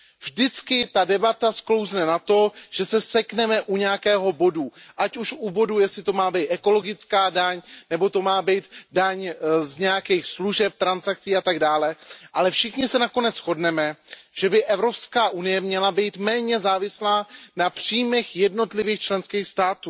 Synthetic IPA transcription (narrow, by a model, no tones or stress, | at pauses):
vʒdɪt͡skɪt̪adɛbat̪asklo̞wznɛnat̪o̞ʒ̥ɛsɛsɛknɛmɛʔuɲɛjakɛːɦo̞bo̞duʔacuʃubo̞dujɛsɪt̪o̞maːbiːt̪ɛko̞lo̞ɡɪt͡skaːdaɲnɛbo̞t̪o̞maːbiːt̪daɲzɲɛjakiːxsluʒɛp̚t̪ɾansak̚t͡siːat̪aɡdaːlɛʔalɛfʃɪxɲɪsɛnako̞nɛt͡sxo̞dnɛmɛʒ̥ɛbɪʔɛvɾo̞pskaːʔunɪjɛmɲɛlabiːt̪mɛːɲɛzaːvɪslaːnapr̝̥ijmɛxjɛdno̞t̪lɪviːxt͡ʃlɛnskiːxst̪aːt̪uː